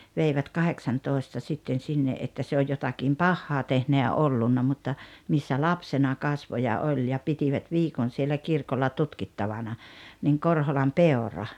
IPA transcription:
ʋeiʋæt kɑheksɑntoˑestɑ sitːen sinːeʔ ʔetːæ se oj jotɑkim pɑhːɑː tehnæ jɑ olːunːɑ mutːɑ misːæ lɑpsenɑ kɑsʋo jɑ olʲ jɑ pitiʋæt ʋiːkon sielːæ kirkolːɑ tutkitːɑʋɑnɑ niːŋ korholɑm peorɑ

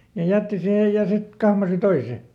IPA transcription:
jɑ jætːi sihej jɑ sit kɑhmɑsi toise

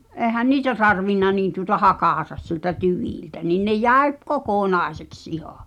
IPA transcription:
ʔeːhæn niːtæ tɑrʋinːɑ niːn tuŏtɑ hɑkɑˑtɑ siĕltæ tyʋiˑltæ niˑn ne jæˑi p̆ kokoˑnɑˑeseks ihɑ

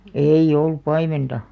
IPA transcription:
eij̆ olːup̆ pɑimentɑ

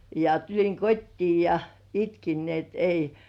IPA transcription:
jɑ tulʲiŋ kotʲtiː jɑ̥ itkin ni et ei

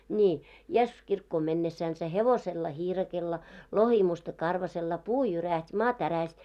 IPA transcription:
nʲiː jesːus kirkːoːm menːesːænsæ heʋoselːɑ hiːrɑkelːɑ lohimustɑ kɑrʋɑselːɑ puː jyræhtʲ mɑː tæræhtʲ

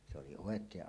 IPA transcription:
se oli oˑekˑeːʔ

